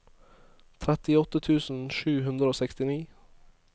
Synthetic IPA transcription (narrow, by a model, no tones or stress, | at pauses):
t̪ʰɾɛt̪ɪɔt̪ət̪ʰʉːsn̩ʃʉːhʉnd̪ɾəoːsɛkst̪ɪniː